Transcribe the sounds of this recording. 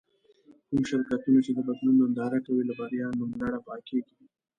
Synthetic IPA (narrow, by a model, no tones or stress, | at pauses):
kumʃɪɾkat̪unat͡ʃed̪əbad̪lunond̪ɑɾakawilabaɾijɑlmʊŋɡlaɽapɑkeɡi